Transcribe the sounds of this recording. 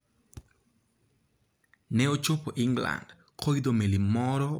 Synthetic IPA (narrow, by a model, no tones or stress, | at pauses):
nɛot͡ʃopoʔɪŋɡla̰nd | kod̪omelimɔɾɔ